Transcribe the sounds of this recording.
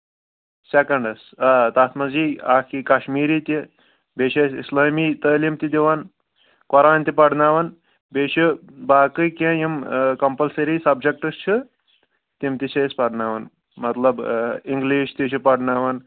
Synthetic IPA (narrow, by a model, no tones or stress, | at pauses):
sekɐɳɖɐsat̪aːt̪ʰmɐziːaːkikɐʃmiːɾiːt̪ʲi | beːʃɐsḭslaːmiːt̪ɐːlimt̪id̪iʋan | kɔɾaːnt̪ipɐɖnaːʋɐn | beːʃibaːkɨkʲẽjimkɐmpɐlsɐɾiːsɐbd͡ʒek̚ʈɨst͡ʃʰɨ | t̪imt̪it͡ʃʰɐspɐɽnaːʋɐn | mɐt̪lɐbiŋɡliːʃt̪it͡ʃʰipɐɽnaːʋɐn